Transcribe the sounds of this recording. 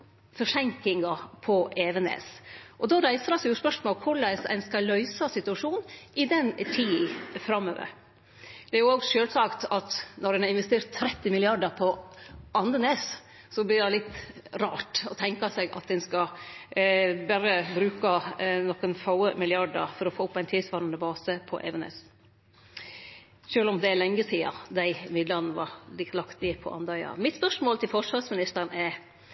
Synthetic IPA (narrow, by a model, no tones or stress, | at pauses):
fɔʂɛŋkɪŋɡɑpʰɔeːʋənḛːsʔɔd̪ɑːɾæɪsəɾɑsjʊspœʂmoːlkʰʊɭæɪsæ̰ɪnskɑlœʏsɑsɪt̪ʉɑʂuːnʔɪd̪ɛnt̪ʰiːfɾɑmːø̰ːʋə̰ɾ | d̪̥ɛæɾjʊoːɡʂøːlsɑkt̪ɑt̪nɔɾɛnɑɪnʋɛst̪eːɾt̪ʰːɾɛt̪ːɪmɪlɪɑɖəɾpʰɔʔɑnəneːs | sɔblɪɖ̪ælɪt̪ːɾɑːʈɔt̪ʰɛŋkɑsɛɡɑ̰t̪̚d̪ɛnskɑ | bæɾəbɾʉːkɑnɔkːənfɑʊəmɪlɪɑɖə̰ɾfɔɾɔfoːʊpːæɪnt̪ʰiːsʋɑɾɑnəbɑːsəpʰɔ̰ʔɛ̰ʋɛnɛ̰s | ʃøːlɔmd̪ɛælɛŋːəsiːɑ̰d̪æɪmɪd̪lənəʋɑ̰ɾlɪt̪lɑkt̪ɪpʰɔ̰ʔɑ̰nd̪ɑʏɑ̰mɪt̪spœʂmoːlt̪ɪlfɔʂʋɑsmɪnɪst̪əɾnɛɾ